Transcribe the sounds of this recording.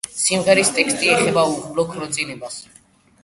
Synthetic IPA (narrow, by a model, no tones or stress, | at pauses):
simʁɛɾist̪ʼɛkst̪ʼiɛχɛbauʁlɔkʰɾɔt̪sʼinɛbas